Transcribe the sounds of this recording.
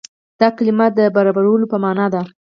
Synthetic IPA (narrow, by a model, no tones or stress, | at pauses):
d̪̥ɑkalimad̪əbaɾɑbaɾawəlopəmɑnɑd̪a